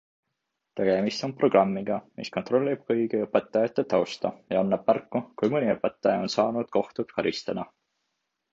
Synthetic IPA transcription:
t̪e̞ɡ̥e̞mist̪o̞npro̞ɡ̥rɑmːiɡ̥ɑmḭskont̪ˑro̞lʲːib̥̚kɤjɡiɤpet̪ːˑɑjɑt̪ːˑet̪ːɑwst̪ɑjɑɑnːɑb̥̚mærkːukujmɨnʲiɤpet̪ˑːɑjɑo̞nsɑːnud̪̥ko̞ht̪ut̪kɑɾist̪ɑd̪̥ɑ

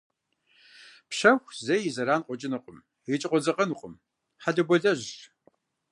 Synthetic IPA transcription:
pɕɐxʷzɐjɪzɐɾaːnqʷʼɔt͡ʃʼɪnɨqʷʼʊm | ɪt͡ʃʼɪqʼʷɔd͡zɐqʼɐnuqʷʼʊm | ħaɮɐbʷɔɮɐʑ

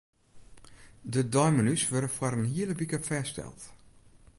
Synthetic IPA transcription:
dədɔjmənysʋørdəfwaɾənhiələbikəfɛːstɛ̰lˠt

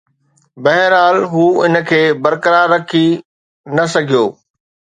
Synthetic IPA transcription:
bɐɦɾaːlɦuːɪnə̆kʰeːbɐɾkəɾaːɾːɐkʰi | nɐsɐɡʱijoː

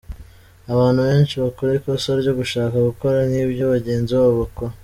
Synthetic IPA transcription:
aβaːnhuβe̞ːnʃiβakoɾekosoɾɟo̞ɡuʃaːkaɡuko̞ɾaniːbɟoβaɟe̞ːnzioβoko

